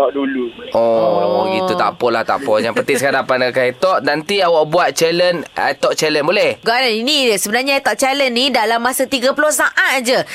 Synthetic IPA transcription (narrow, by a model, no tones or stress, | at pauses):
ɔʔduluɔit̪ut̪a̰pɔla̰ht̪a̰pɔjaŋpərt̪isəkaɾapanakaet̪ɔʔnant̪iawaʔbuat̪̚t͡ʃɛləna̰jt̪ɔʔ̚t͡ʃɛlənbolɛhɡanainĩsəbənarɲaet̪ɔʔ̚t͡ʃalənnĩdalamːasat̪iɡapulosaʔat̪̚d͡ʒə